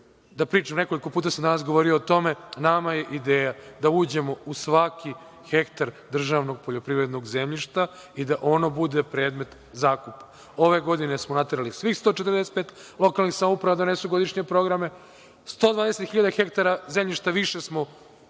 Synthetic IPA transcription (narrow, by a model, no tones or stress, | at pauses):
d̪apɾiːt͡ʃamneko̞liko̞puːt̪̬asamd̪anasɡo̞ʋo̞ɾioːt̪o̞me̞namajeʔid̪eːjad̪auːd͡ʑe̞mo̞usʋaki | xekt̪aɾd̪r̩ʒaʋno̞ɡ̚poʎo̞pɾiʋɾe̞d̪no̞ɡzemʎiʃt̪a | id̪aʔo̞nobud̪epɾe̞ːd̪me̞t̪ | zaːkupḁ | o̞ʋe̞ɡo̞d̪ine̞smonat̪eɾalisʋixst̪ot͡ʃet̪əɾd̪ese̥t̪peːt̪lˠo̞kalˠnixsamoupɾaʋad̪onesuɡo̞d̪iʃɲepɾo̞ɡɾame̞ | st̪o̞ːd̪ʋaːd̪eset̪xiʎad̪axe̞kt̪aɾazemʎiʃt̪aʋiʃesmo̞